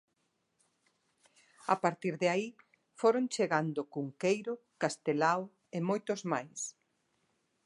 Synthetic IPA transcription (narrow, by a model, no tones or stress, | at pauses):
a̰paɾt̪iɾðeai | foɾont͡ʃeɣand̪ʊkuŋkejɾʊkast̪elaw | emojt̪ʊzmajs